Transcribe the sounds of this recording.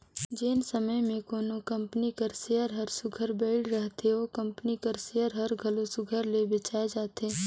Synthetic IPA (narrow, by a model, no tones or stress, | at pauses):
d͡ʒeːnsəməjmẽkoːnokɐ̃mpənikəɾseəɾɦɐɾsʊɡʱəɾbeːɽɾɐɦt̪eokɐ̃mpənikəɾseəɾɦɐɾɡʱɐlosʊɡʱəɾlebɪt͡ʃaːed͡ʒaːt̪eː